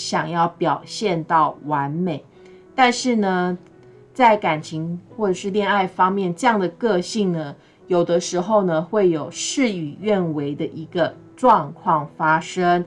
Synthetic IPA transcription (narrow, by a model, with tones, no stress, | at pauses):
ɕjɑ˨˩ŋjɑ˥˩ʊpjɑ˨˩ʊɕjɛ˥˧nt̪ɑ˥˩ʊwa˧˦nme˨˩ɪ | t̪a˥˧nʂɻ̩˥˩nə˩ | t͡sa˥˩ɪka˨˩nt͡ɕʰi˧˥ŋxwɔ˥˩ʈ͡ʂɤ˨˩ʂɻ̩˥˧ljɛ˥˧na˥˩ɪfɑ˥ŋmjɛ˥˨nʈ͡ʂɤ˥˧jɑ˥˩ŋd̪ə˩kɤ˥˧ɕi˥˩ŋnə˩ | jo˨˩ʊd̪ə˦ʂɻ̩˧˥xo˥˩ʊnə˩xwe˥˩ɪjo˨˩ʊʂɻ̩˥˩y˨˩ɥɛ˥˩nwe˧˥ɪd̪ə˧ʔi˧˥ɡə˧ | ʈ͡ʂwɑ˥˧ŋkʰwɑ˥˩ŋfa˥ʂə˥ŋ